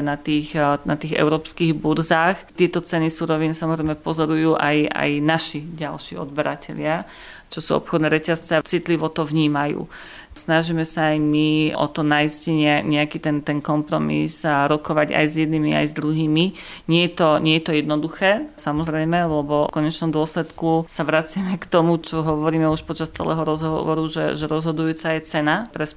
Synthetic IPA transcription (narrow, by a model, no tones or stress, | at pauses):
nat̪iːxna̰t̪iːɣɛ̰ʊɾɔːpskiɣbuɾzaːxt̪ɪɛt̪ɔt͡sɛnisuːɾɔʋiːnsamɔzɾɛjmɛpɔzɔɾujuːʔa̰ja̰jnaʃiɟalʃḭɔ̰d̪̚bɛɾacɛʎɪa | t͡ʃɔsuɔ̰pxɔd̪nɛːɾɛcast͡sɛat͡sit̪liʋɔt̪ɔʋɲiːmajṵː | snaʒiːmɛsaːjmiʔɔ̰t̪ɔnajisciɲɛaɲɛakiːt̪ɛnt̪ɛnkɔmpɾɔmḭzɾɔkɔʋaɟa̰jzjɛd̪nimia̰jzd̪ɾuɦiːmi | ɲɛjɛt̪ɔɲɛjɛt̪ɔjɛd̪nɔd̪uxɛːsamɔzɾɛjmɛlɛbɔkɔɲɛt͡ʃnɔmd̪ʊɔslɛt̪kusaʋɾat͡sɪamɛkt̪ɔmut͡ʃɔɦɔʋɔɾiːmɛuʃpɔt͡ʃast͡sɛ̰lɛ̰ːɦɔɾɔzɦɔɦɔʋɔɾuʒɛ̰ʒɛɾɔzɦɔd̪ujuːt͡sajɛt͡sɛnapɾɛs